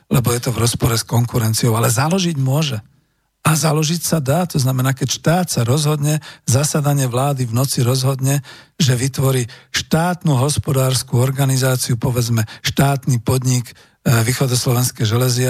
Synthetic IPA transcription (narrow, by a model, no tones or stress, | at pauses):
lɛbɔjɛt̪ɔvɾɔspɔɾɛskɔŋkuɾɛnt͡siɔʊalɛzalɔʒiɟmʊɔʒɛ | azalɔʒicsad̪aːt̪ɔznamɛnaːkɛcʃt̪aːt̪saɾɔzɦɔd̪ɲɛzasad̪aɲɪɛʋlaːd̪ivnɔt͡siɾɔzɦɔd̪ɲɛʒɛʋit̪ʋɔɾiːʃt̪aːt̪nuɦɔspɔd̪aːɾskuɔɾɡanizaːt͡siupɔʋɛd͡zmɛʃt̪aːt̪nipɔd̪ɲiɡ | ʋiːxɔd̪ɔslɔʋɛnskɛjʒɛlɛzɪ